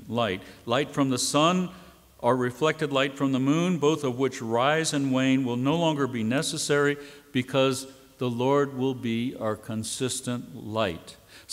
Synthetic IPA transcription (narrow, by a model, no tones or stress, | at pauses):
laɪt̚laɪtfɹʌ̃mðəsʌ̃n | ʔə˞ɹɨflɛk̚tɨdˡlaɪtfɹʌ̃mðəmũnboʊθʌvwɨt͡ʃɹaɪzɨ̃nwẽɪ̃nwɪlˠnoʊlɔ̃ŋɡə˞binɛsɨsɛɹib̥ɨkʰʌz | ðəlɔɹd̚wɪlˠbiəə˞kʰə̃nsɪstə̃nʔlaɪt